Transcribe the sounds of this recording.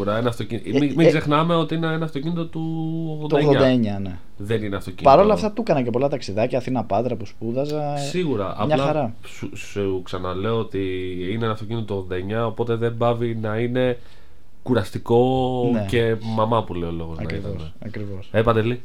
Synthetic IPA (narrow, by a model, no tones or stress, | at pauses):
uɾɐenɐft̪ocinimiɡze̞xnɐme̞o̞t̪iineenɐːft̪o̞cinit̪ot̪uoɣðonoeɣðoɐd̪ɐeɲɐne̞ | ðe̞nineɐft̪o̞cḭpɐɾo̞lɐft̪ɐt̪ukɐnɐcepolɐt̪ɐksiðɐcɐːθinɐpɐd̪ɾɐpuspuðɐzɐsiɣuɾɐʔɐ̰mɲɐlɐɐɾɐ | su | suksɐnɐle̞oot̪iinenɐft̪o̞cinit̪ot̪oɣðod̪ɐeɲɐopo̞t̪e̞ðe̞mbɐvinɐine̞ | kuɾɐst̪iko̞nnece̞mɐmɐpule̞olo̞ɣo̞zɐnɐɾit̪ɐose | ɐkɾivosepɐt̪eli